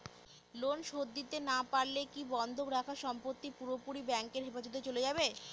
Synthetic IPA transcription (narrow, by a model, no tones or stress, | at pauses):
lonʃod̪ːit̪enapaɾlekibɔnd̪ʱokɾakʰaʃɔmpot̪ːipuɾopuɾibɛŋkeɾɦefad͡ʑot̪̬et͡ɕoled͡ʑabe